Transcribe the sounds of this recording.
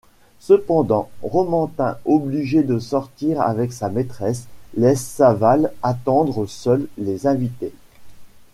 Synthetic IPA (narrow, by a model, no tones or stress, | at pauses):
səpɑ̃d̪ɑ̃ʁɔmɑ̃t̪ɛ̃ɔbliʒed̪əsɔʁt̪iʁa̰vɛksamet̪χɛslɛsːavalat̪ɑ̃d̪ʁəsœlːezɛ̃vit̪e